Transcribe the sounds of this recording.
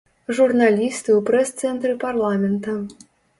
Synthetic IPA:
ʐurnalʲist̪ɨwpɾɛst̪sɛnt̪ɾɨparlˠamʲɛnt̪ɐ

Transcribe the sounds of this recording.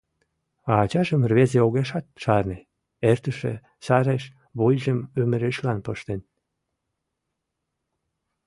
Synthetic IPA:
ɑːt͡ɕɑʒəmrβezeoɣeʃɑt̪̚ʃɑrne | ert̪əʃḛ | sɑɾeʃ | βojʲʒəmøməɾeʃlɑnpəʃt̪en

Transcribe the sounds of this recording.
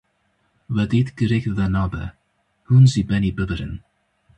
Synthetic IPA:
vɛdid̪ɡ̥əɾɪɡðanɔbə̰ | hunzibɛnibəðəɾə̰n

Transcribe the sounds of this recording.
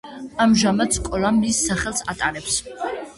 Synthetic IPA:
amʒamad̪skʼɔlˠamisːaχɛlˠsat̪ʼaɾɛps

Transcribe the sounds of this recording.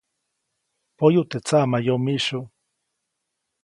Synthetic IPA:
pojut̪et͡samajomiʃu

